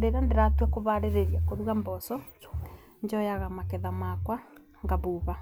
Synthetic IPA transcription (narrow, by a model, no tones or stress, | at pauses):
deɾandeɾatwɛkoβaɾeɾeɾiakoɾuɣambɔsɔ | ɲd͡ʒɔjaɣamakɛðamakwa | ŋɡaβuβa